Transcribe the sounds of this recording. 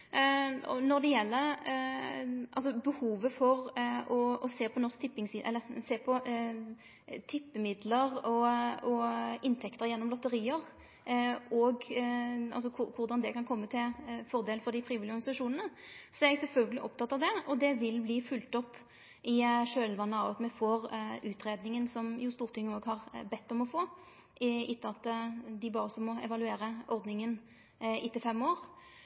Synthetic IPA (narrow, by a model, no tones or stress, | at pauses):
ɔ̰nɔɾd̪ɛjɛlːəɾ | ʔɑ̰lsɔbəhuːʋəfɔɾɔɔseːpʰɔnɔsk̚t̪ʰɪpːɪŋsiːʔɛ̰lːəseːpʰɔ | t̪ʰɪpːəmɪd̪ləɾɔɔɪnt̪ʰɛkt̪əɾjɛnːɔmlɔt̪ːəɾiːəʁ | ɔɡ | ɑ̰lsɔkʰʊkʰʊɾd̪ɑnd̪ɛkɑnkʰɔmːət̪ʰɪlfɔʁd̪eːlfɔd̪ɪfɾiːʋɪlɪɔɾɡɑnɪsɑʂuːnənəsɔɛɡsɛlfœlɡəlɪʔɔp̚t̪ʰɑt̪ːɑʋd̪ɛɔd̪ɛʋɪlbliːfʉlt̪ɔpː | ʔɪʂøːlʋɑnːəɑʋɑt̪mɛfoːɾʉːt̪ʁeːd̪nɪŋənsɔmjʊst̪uːʁt̪ʰɪŋːəoːɡhɑʁbɛt̪ːɔmɔfoː | ɪɪt̪ːəɑt̪ːd̪ɪbɑːʁəsɔmːɔɛ̰ʋɑlʉeːɾəʔɔɾd̪nɪŋən | ɪt̪ːɪfɛmːoːɾ